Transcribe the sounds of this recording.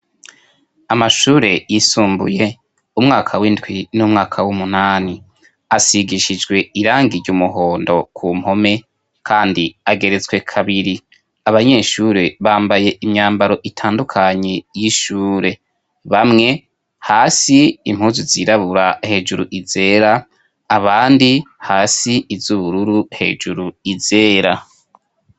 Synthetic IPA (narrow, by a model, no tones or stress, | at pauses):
amaʃuːɾe̞jisuːmbṵje̞ | umŋaːkʰawindwinumŋaːkʰawumunaːni | asiɡiʃid͡ʒɡwe̞iɾaːŋɡiɾɟumuɦo̞ːndo̞kʰuːm̥ho̞me̞ | kʰaːndiaɡe̞ɾe̞t͡swe̞kʰaβiɾi | aβaɲe̞ːʃuːɾe̞βaːmbaje̞ʔimɲaːmbaɾo̞ʔitʰaːndukʰaɲejiʃuːɾe̞ | βamŋe̞ | haːsiːm̥uːzuziːɾaβuɾahe̞ːd͡ʒuɾuʔiz̥e̞ːɾaː | βaːndihaːsiːzuβuɾuɾuhe̞̰ːd͡ʒuɾuize̞ːɾa